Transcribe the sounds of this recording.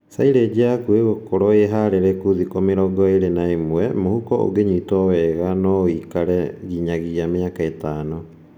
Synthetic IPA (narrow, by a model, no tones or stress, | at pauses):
sajɾed͡ʒeakuewokoɾojeɦaɾeɾekudikomiɾoɡoajɾenaimuemuhukoo̰ɡeɲit̪oweɡanoikaɾeɡiɲaɡiameakaet̪ano